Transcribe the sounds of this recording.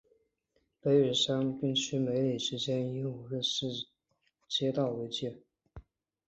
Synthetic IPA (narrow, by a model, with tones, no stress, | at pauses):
pe˧˥ɪɥɛ˨˩ʂa˥npi˥˩ŋt͡ɕʰy˥me˧˥ɪli˨˩ʂɻ̩˧˥t͡ɕjɛ˥ni˥˨˧xə˥˧ʂɻ̩˥˩ | t͡ɕjɛ˥t̪ɑ˥˩ʊwe˧˥ɪt͡ɕjɛ˥˩